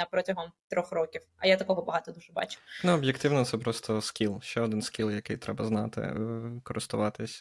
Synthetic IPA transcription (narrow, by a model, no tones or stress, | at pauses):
ɐpɾɔtʲɐɦɔmt̪ɾɔxrɔkʲiwɐ̰jat̪ɐkɔɦɔbɐɦɑt̪ɔd̪uʒɛbɑ̰t͡ʃʊ̥nɛɔbʲjekt̪ɪwnɔt̪sɛpɾɔst̪ɔskʲilˠʃt͡ʃɛɔd̪ɪnskʲilˠjɐkɪjt̪ɾɛbɐznɑt̪ɪ̰kɔɾɪst̪ʊʋɑt̪ɪsʲ